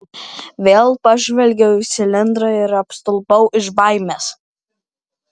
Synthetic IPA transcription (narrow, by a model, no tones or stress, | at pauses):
ʋʲeːlˠpɐʒʲʋʲɛlʲɡʲɛʊɪsʲɪlʲɪnd̪ɾɐɪɾɐpst̪ʊlˠpɐʊʔɪʒbɑɪmʲeːs